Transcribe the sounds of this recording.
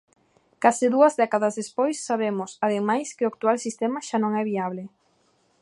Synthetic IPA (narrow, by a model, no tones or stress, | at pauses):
kasɪðuɐzðɛkaðazðespojsːaβemʊsaðemajskɪʊak̚t̪ualsist̪ɛmaʃanõŋɛβ̞iaβ̞lɪ